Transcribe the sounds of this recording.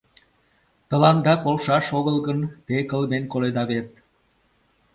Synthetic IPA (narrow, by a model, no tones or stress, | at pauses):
t̪ɤ̆lɑnd̪ɑkolʃɑʃoɣə̆lˠɣə̆nt̪ekə̆lmenkoled̪ɑβet̪̚